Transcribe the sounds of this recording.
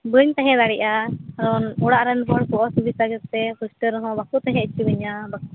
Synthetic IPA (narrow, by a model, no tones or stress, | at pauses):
bəɲt̪ãɦɛ̃d̪aɽiʔakaɾɔnuɽaʔɾanbɔɽkɔʔɔsubisaɡɛɾt̪ɛkusʈəɾɦɔ̃bakut̪ãɦɛ̃it͡ʃibɛɲabaku